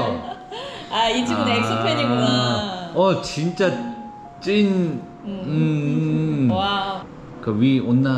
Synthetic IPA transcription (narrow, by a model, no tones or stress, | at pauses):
aid͡ʑiaese | ʌt͡ɕint͡ɕ͈a | t͡ɕ͈ʼin | ɯ | kɯwionːa